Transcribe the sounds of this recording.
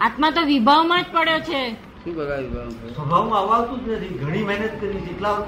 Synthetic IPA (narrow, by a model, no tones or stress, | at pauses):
at̪mãt̪oʋibʱaʋmãd͡ʒpəɽjot͡ʃʰe | ʃũbəɡ̪aʋibʱasəbʱaʋũaʋaʋt̪ũd͡ʒnət̪ʰiɡʱəɽ̃iməɦnət̪kəɾiseʈla